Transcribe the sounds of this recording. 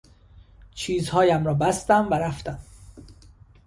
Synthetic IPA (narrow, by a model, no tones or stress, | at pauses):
t͡ʃʰiːzhɒːjæmɾɒːbæst̪æmvæɾæft̪æm